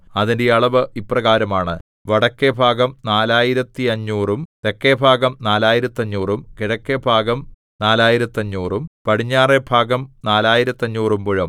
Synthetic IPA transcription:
ɐðindeɐɭɐʋɨiprɐɣaːɾɐmaːɳɨ | ʋɐɽɐkːebʱaːɡɐmnaːlaːjiɾɐt̪ːiɐɲːuːrumt̪ekːebʱaːɡɐmnaːlaːjiɾɐt̪ːiɐɲːuːrumkiɽɐkːebʱaːɡɐm | naːlaːjiɾɐt̪ːiɐɲːuːrumpɐɽiɲːaːrebʱaːɡɐmnaːlaːjiɾɐt̪ːɐɲːuːrumpuɻɐm

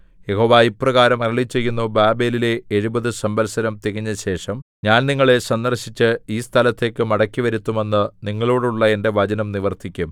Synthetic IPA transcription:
je̞ɦo̞ːʋaːipːrɐɣaːɾɐmɐrɐɭit͡ɕːe̞jːunːubaːbe̞ːlile̞ːɻubɐðɨsɐmbɐlsɐɾɐmt̪iɣiɲːɐɕe̞ːʂɐm | ɲaːnniŋːɐɭe̞sɐnd̪ɐrɕit͡ɕːɨiːst̪ʰɐlɐt̪ːe̞ːkːɨmɐɽɐkːiʋɐɾit̪ːume̞nːɨniŋːɐɭo̞ːɽuɭːɐe̞nde̞ʋɐd͡ʑɐnɐmniʋɐrt̪ʰikʲːum

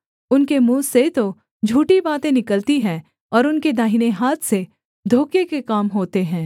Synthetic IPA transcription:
ʊnkemũːset̪o | d͡ʒʱuːʈibaːt̪ẽnɪkəlt̪iɦɛ̃ː | ɔːɾʊnked̪aːɦineɦaːt̪ʰse | d̪ʱoːkekekaːmɦoːt̪eɦɛ̃ː

